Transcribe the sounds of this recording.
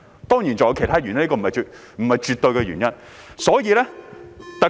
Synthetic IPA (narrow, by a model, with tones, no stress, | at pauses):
t̪ɔː˥ŋjiː˨˩nt͡sɔ˨jɐ˨˧wkʰjt̪ʰaː˥y˨nɲɐ˥nli˥kɔː˧m˨˩˨ɐ˨˩jt͡ʃː | m̩˨˩hɐ˨jt͡ʃyː˨˧t̪o˧ɥkɛː˧ɥy̰ː˨˩njɐ˥n | sɔː˨˥jiː˨˧lɛː˥t̪ɐ˨